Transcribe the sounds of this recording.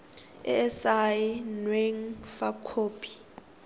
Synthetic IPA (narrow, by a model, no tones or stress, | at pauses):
ɛ̰ɛsainweŋfakʰoːpʰʼi̥